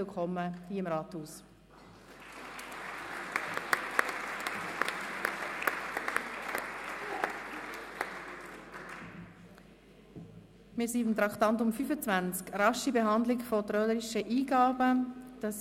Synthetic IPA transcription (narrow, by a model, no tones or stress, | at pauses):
ɪlkʰɔmːəhiːəɪmɾɑːthuːs | mɪːsiːɪmt̪ɾɑktɑnt̬ʊmfyfət͡svænt͡skɾɑʃibeɦɑnd̪lɪkfɔt̪ɾœləɾiʃəʔiːɡ̥ɑːbəd̥ɑs